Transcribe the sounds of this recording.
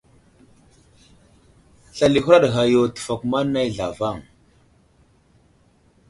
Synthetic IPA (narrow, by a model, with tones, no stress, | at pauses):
ɬa˨li˨xu˦ɾa˦ɗɣa˨jo˨tə̥˨fa˨kma˦nːa˦jɮa˨va˦˨ŋ